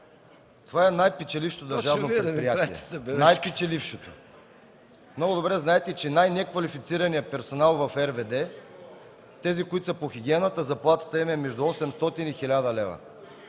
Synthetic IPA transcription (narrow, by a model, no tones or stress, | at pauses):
t̪ovaɛnajpɛt͡ʃɛlifʃt̪od̪ɐɾʒavnopɾt̪pɾijatiɛnajpit͡ʃɛlifʃot̪o | mnɔɡʊd̪obɾɛznaɛt̪ɛt͡ʃɛnajnɛkvɐlifit̪siɾɐnijəpɛɾsonalˠvɐfɛɾvɛd̪ɛ | t̪ɛzikoit̪sɐpoxiɡ̟ʲiɛnət̪əzɐplˠat̪ə̥t̪əimɛmɛʒd̪uɔsɛmst̪ɔt̪inixilʲad̪əlɛvə̰